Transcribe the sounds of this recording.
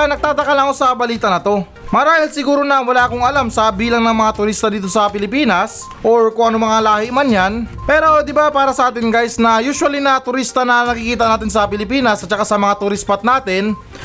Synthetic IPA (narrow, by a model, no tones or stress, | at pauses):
nɐɡ̚t̪aːt̪ɐkɐlɐko̞sɐbɐliːt̪ɐnɐt̪o̞ | mɐɾaːhɪlsɪɡuːɾo̞nɐwɐlaːkoŋɐlamsɐbiːlɐŋnɐŋmɐŋat̪ʊɾist̪ɐd̪iːt̪o̞sɐpɪlɪpiːnɐs | ʔoɹkʊŋɐnomɐŋalaːhɪʔmanjanpɛːɾo̞d̪ɪbapaːɾɐsɐʔaːt̪ɪnɡajsnɐjuːswɐlinɐt̪ʊɾist̪ɐnɐnɐkɪkiːt̪ɐnaːt̪ɪns̬ɐpɪlɪpiːnɐsɐt̚t͡ʃɐkasɐmɐŋat̪ʊɾɪspɐt̪̚naːt̪ɪn